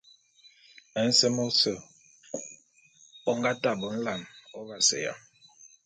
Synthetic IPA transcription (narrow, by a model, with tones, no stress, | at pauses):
ɛ˨˦n̩˦sɛ˦mɔ˦sə˨ | ɔ˦ŋɡa˦ta˨bɔ˨˦n̩˦la˨nɔ˦va˨sɛ̰˨ja̰˨